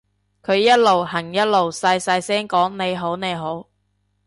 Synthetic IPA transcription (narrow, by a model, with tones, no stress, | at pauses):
kʰɵ˨˧ɥjɐ˥t̚lo˨˩wɦɐ˨˩ŋjɐ˥t̚lo˨wsɐ˧jsɐ˧jsɛː˥ŋkɔː˨˥ŋne˨˧jɦo˨˥wne˨˧jɦo˨˥w